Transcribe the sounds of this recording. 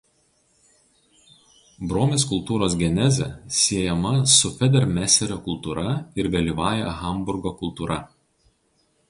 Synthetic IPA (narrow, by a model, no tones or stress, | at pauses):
bɾoːmʲeːskʊlˠt̪uːɾoːsɡʲɛnʲɛzʲɛsʲiɛjɛmɐsʊfʲɛd̪ʲɛɾmʲæsʲɛɾʲoːkʊlˠt̪uːɾɐɪɾʋʲɛlʲiːʋɑːjɛɣɐˑmbʊɾɡokʊlˠt̪uːɾʔɐ